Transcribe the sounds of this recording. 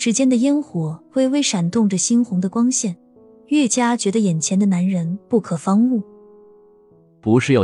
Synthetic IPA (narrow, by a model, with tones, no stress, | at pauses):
ʈ͡ʂɻ̩˧˥t͡ɕjɛ˥nd̪ə˨jɛ˥nxwɔ˧˥we˥˧ɪwe˥˩ɪʂa˨˩nt̪ʊ˥˩ŋʈ͡ʂə˩ɕi˥nxʊ˧˥ŋd̪ə˧kwɑ˥ŋɕjɛ˥˩n | ɥɛ˥˩t͡ɕja˥t͡ɕɥɛ˧˥d̪ə˧jɛ˨˩nt͡ɕʰjɛ˧˥nd̪ə˧na˧˥nɻə˧˥npu˥˩kʰɤ˨˩fɑ˥ŋu˥˩ | pu˧˥ʂɻ̩˥˩jo˨˩